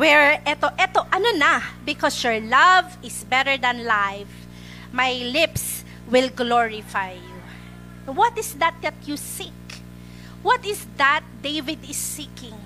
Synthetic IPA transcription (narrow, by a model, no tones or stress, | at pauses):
wɛɹɛt̪oʔɛt̪oʔɐnonabɪkɔsjɔɹlɐvɪsbɛɾəɹd̪ɐ̃nlajf | majlɪps | wɪlɡloɹɪfajːu | wɔt̪ɪsd̪ɐt̪̚d̪ɐt̪̚jusik | wɔt̪ɪsd̪at̪̚d̪ejvɪd̪ɪsːikɪ̃ŋ